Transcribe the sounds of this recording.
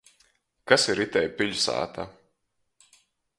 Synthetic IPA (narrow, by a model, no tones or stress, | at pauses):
kasiɾit̪ʲɛjpʲiʎʲsa̰ːt̪ʰa̰